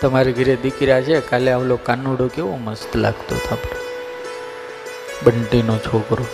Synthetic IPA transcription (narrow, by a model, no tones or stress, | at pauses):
t̪əmaɾiɡʱəɾed̪ɪkɾjat͡ʃʰekaleaʋlokanuɽokeʋõməst̪la̰ɡt̪o̰t̪ʰapɽe | bəɳʈinot͡ʃʰokɾo